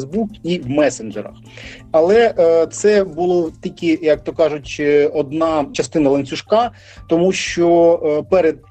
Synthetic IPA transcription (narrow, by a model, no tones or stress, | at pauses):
zbukiwmɛsenʒeɾɐ̰x | ɐlˠɛt̪sɛbʊlˠɔt̪ʲilʲkʲɪjɐk̚t̪ɔkɑʒʊt͡ʃʲɔd̪nɑt͡ʃɐst̪ɪnɐlˠɐnʲt͡sʲʊʃkɑ | t̪ɔmuʃt͡ʃɔpɛɾed̪̚